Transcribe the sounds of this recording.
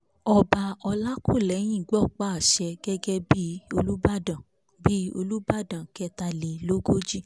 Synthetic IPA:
ɔ˧ba˧ɔ˧la˦ko˦˨lɛ˨˦j̃ĩ˦˨ɡ͡bɔ˦˨k͡pa˦˨a˨ʃɛ˧ɡɛ˦ɡɛ˦bi˦o˧lu˦ba˦˨dã˨ | bi˦o˧lu˦ba˦˨dã˨kɛ˧ta˧le˨lo˦ɡo˦d͡ʒi˦

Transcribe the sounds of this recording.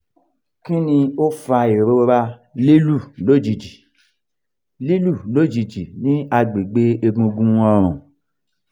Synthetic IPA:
kĩ˦nĩ˧o˦fa˧e˨ɾo˦ɾa˧li˦lu˦˨lo˦˨d͡ʒi˨d͡ʒi˨ | li˦lu˦˨lo˨˦d͡ʒi˨d͡ʒi˨nĩ˦a˧ɡ͡be˨ɡ͡be˦e˧ɡũ˧ɡũ˦ɔ˧ɾ̃ũ˨

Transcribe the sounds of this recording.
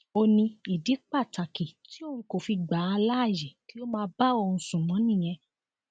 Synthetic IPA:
o˧nĩ˧i˨di˨˦k͡pa˦˨ta˨ki˨ti˨˦o˦˨hũ˧ko˨fi˧ɡ͡ba˨˦a˧la˦a˦˨jɛ˨ki˨˦o˦mãː˧ba˦o˧hũ˧sũ˨mɔ̃˨˦nĩ˦˨j̃ɛ̃˧

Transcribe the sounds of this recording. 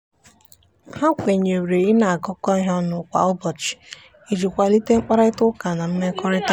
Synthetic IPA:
ha˦kʷe˨ɲe˨wɾe˨i˦na˨a˨ɡɔ˦kɔ˦ɦɔ˦nʊ˨kʷa̰˨ɔ˦bɔ˨t͡ʃɪ̥˨ | i˨d͡ʒi˨kʷa˦˨li˦te˦ŋ͡m̩˦k͡pa˦ɾa˦ɪ˦tʊ˦ka˨na˨m̩˦me˦kɔ˦ɾɪ˦ta˦

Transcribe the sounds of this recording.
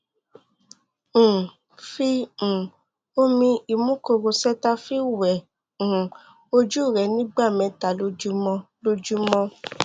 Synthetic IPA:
fĩ˧˨ | o˦mĩ˧i˨mũ˦ko˧˨ɾo˧sɛ˦ta˧fi˦wɛ̃˨ | o˧d͡ʒu˦˨ɾɛ˨˦nĩ˦ɡ͡ba˦˨mɛ̃˨˦ta˨˦lo˧d͡ʒu˦mɔ̃˧ | lo˧d͡ʒu˦mɔ̃˧

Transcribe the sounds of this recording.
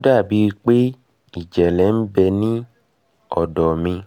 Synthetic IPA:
da˦˨bi˧i˧k͡pe˦ | i˦˨d͡ʒɛ˨lɛ˨˦n̩˦bɛ˧nĩ˦ | ɔ̰˨dɔ˨mĩ˧

